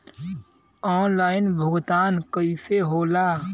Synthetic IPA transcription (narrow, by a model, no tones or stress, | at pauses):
ɔːnlaːɪnbʱʊɡt̪aːnkəiseɦoːlaː